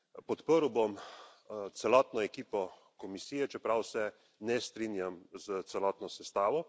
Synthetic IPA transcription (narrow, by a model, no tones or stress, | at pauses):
pɔt̪pəɾwbom | t̪sɛlɔːt̪nɔɛkiːpɔ | kɔmisiːjɛt͡ʃɛpɾawsɛ | nɛst̪ɾiːnjamzət̪sɛlɔt̪nɔsɛst̪aːʋɔ